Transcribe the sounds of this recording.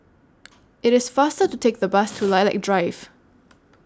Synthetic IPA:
ɪɾɪsfastətutʰek̚ðəbastʰulaɪla̰ɪk̚dɹaɪv̥

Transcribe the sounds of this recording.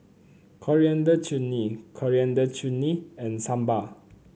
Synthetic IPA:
kʰɔɹiãndət͡ʃunikʰɔɹiãndət͡ʃuniɛ̃nsãmba

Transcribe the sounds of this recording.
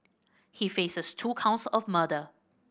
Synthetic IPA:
hifesəstʰukʰãʊ̃ntsɔfmədə

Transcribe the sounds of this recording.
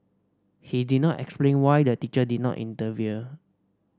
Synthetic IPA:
hididnɔtɛ̰ksplẽnwajdətit͡ʃədid̚nɔ̰ʔḭ̃ntəviə

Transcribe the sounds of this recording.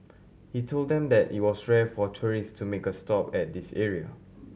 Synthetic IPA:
hitʰolddɛ̃mdɛtḭt̚wɔsɹɛfɔtʰuɹistʰumekəstɔpɛt̚disɛɹiə̰

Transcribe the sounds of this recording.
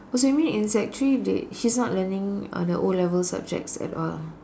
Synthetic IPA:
ɔs̬oamĩnĩnsɛk̚t͡ʃɹidḛhisnɔtlənɪ̃ŋ̰dəʔolɛvəlsa̰b̚d͡ʒɛ̰k̚tsɛ̰tɔ̰l

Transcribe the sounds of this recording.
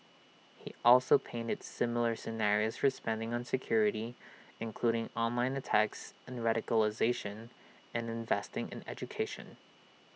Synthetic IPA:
hiʔɔlˠsoʊpʰẽɪ̃ntɨdsɪ̃ml̩ˠə˞sɨnɛɹioʊz̥fə˞spɛ̃ndɪ̃ŋə̃nsɨkʰj̥ʊɹɨɾiɨ̃nkʰl̥uɾɪ̃ŋɑ̃nlãɪ̃nɨtʰæksɨ̃nɹæɾɨkəl̩ˠəzeɪʃɨ̃n | ɨ̃nɨ̃ɱvɛstɪ̃ŋʔɨ̰̃nɛ̰d͡ʒɨkʰeɪʃɨ̰̃n

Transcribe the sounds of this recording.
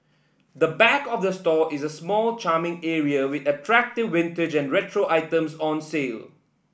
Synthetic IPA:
d̪əbɛkɔfdəstɔʔɪzəsmɔlt͡ʃaːmɪ̃ŋɛɹiəwɪtətʰɹæk̚tɪvːɪ̃ntɪd͡ʒɛ̃nɹɛtʰɹoʔaɪtə̃msɔ̃nsel

